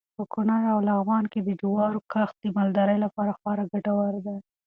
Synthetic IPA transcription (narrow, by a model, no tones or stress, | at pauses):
pəkʊnɑjawlaɣwɑnked̪əd͡ʒʊwɑɾokaxt̪̚d̪əmɑld̪aɾəjlapɑɾaxɑɾaɡaʈawaɾd̪a